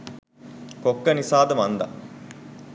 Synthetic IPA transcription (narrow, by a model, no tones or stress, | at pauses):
kokːənisaːd̪əmand̪a̰